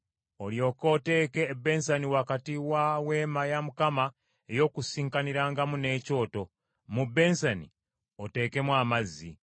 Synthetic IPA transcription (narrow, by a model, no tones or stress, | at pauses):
o̞ljo̞ːko̞ːte̞ːke̞ːbːe̞nsaniwakatiwawe̞ːmajamukama | ejo̞kusiːŋkaniɾaːŋɡamune̞ːco̞ːto̞ | mubːe̞nsanḭ | ote̞ːke̞mwaːmazːi